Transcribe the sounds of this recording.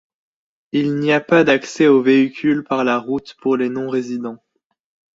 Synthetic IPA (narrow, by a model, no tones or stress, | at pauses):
ilniapad̪aksɛoveikʲʰylpaʁlaʁut̪puʁlenɔ̃ʁezid̪ɑ̃